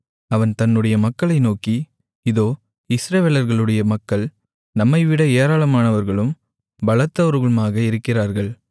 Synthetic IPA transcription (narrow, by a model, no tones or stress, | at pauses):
ɐʋɐnt̪ɐnːɯɽɐjɐmɐkːɐɭɐɪnoːki | ɪðoː | ɪsɾɐʋeːlɐɾɣɐɭɯɽɐjɐmɐkːɐɭ | nɐmːɐɪʋɪɽɐeːɾaːɭɐmaːnɐʋɐɾɣɐɭɯm | bɐɭɐt̪ːɐʋɐɾɣɐɭɯmaːɣɐɪɾɯkːɪraːɾɣɐɭ